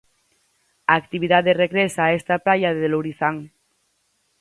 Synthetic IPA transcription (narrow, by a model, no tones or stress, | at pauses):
aːkt̪iβ̞iðaðereɣɾesaːest̪aplajaðeðeloɾiθaŋ